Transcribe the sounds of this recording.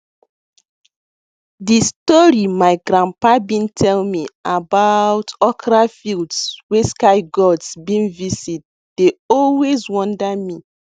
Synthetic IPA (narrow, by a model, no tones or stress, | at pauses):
distɔɹimaɪɡɾãmpabĩntʰɛlmiabatɔkɹafildsweskaɪɡɔdsbĩnvisit̚ | d̥eɔlwezwɔ̃ndami